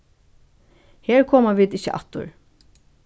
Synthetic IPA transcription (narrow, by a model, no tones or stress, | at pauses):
heːɹkʰɔːmaviːd̪ɪçːəʔa̰t̪ːʊ̰ɹ